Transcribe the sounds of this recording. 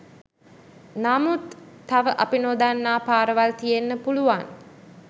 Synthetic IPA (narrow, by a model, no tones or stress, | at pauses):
naːmut̪ː | aʋəʔapinoːd̪anːaːpaːɾəʋalt̪ijenːəpuluʋan